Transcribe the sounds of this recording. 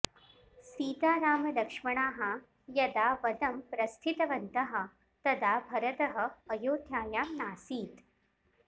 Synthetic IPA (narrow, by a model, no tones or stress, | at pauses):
siːt̪aːɾaːmɐd̪ɐkʂmɐɳ̃aːɦɐ | jɐd̪aːʋɐd̪ɐmpɾɐst̪ʰit̪ɐʋɐnt̪ɐɦɐ̆ | t̪ɐd̪aːbʱɐɾɐt̪ɐɦɐ̆ːjoːd̪ʱjaːjaːmnaːsiːt̪